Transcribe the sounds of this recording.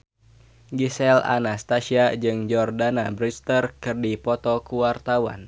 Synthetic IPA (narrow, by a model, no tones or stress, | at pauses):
ɡisɛla̰nast̪asiad͡ʒɨŋd͡ʒɔrdanabɾist̪ərkɨrdipɔt̪ɔkuwart̪awa̰n